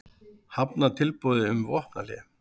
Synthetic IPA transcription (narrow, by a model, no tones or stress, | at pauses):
hapnat̪ʰɪlpuðɪʏmvɔhpna̰lɛ